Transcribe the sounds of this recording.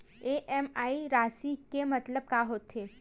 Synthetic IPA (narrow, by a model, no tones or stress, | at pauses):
eʔɛmaːiɾaːsikemɐt̪ləb̚kaːɦoːt̪ʰːeː